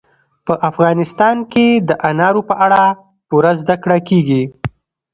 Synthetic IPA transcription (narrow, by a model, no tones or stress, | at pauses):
pəʔafɣɑnɪst̪ɑnked̪əʔanɑɾopəʔaɽa | puɾazd̪akɽakeɡi